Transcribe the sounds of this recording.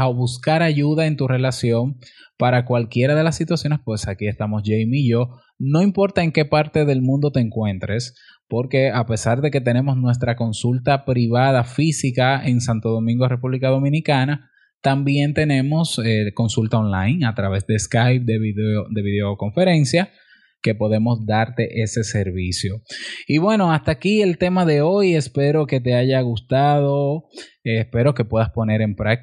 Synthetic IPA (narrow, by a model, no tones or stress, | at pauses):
awβuskaɾaʝuðae̞nt̪ure̞lasjo̞ŋ | paɾakwalkje̞ɾað̞e̞lasːit̪wasjo̞ne̞spwe̞sakie̞st̪amo̞sʝejmiːʝo̞ | no̞impo̞ɾt̪ae̞ŋke̞paɾt̪e̞ðe̞lmũnd̪o̞t̪e̞ːŋkwe̞nt̪ɾe̞s | po̞ɾke̞ape̞saɾðe̞ke̞t̪e̞ne̞mo̞snwe̞s̬t̪ɾako̞nsult̪apɾiβaðafisikae̞ŋsant̪o̞ðo̞mĩŋɡo̞re̞puβlikaðo̞mĩnikana | t̪ambje̞nt̪e̞ne̞mo̞seko̞nsult̪ao̞nlajŋat̪ɾaβe̞sd̪e̞skajp̚d̪eieod̪e̞βiðeoko̞ɱfe̞ɾe̞nsja | ke̞po̞ðe̞mo̞sd̪aɾt̪e̞ʔe̞se̞se̞ɾβisjoiβwe̞no̞ast̪aːkie̞lt̪e̞maðe̞o̞je̞spe̞ɾo̞ke̞t̪̬e̞aʝaɣust̪aðo̞espe̞ɾo̞ke̞pwe̞ðaspo̞ne̞ɾe̞mpɾak̚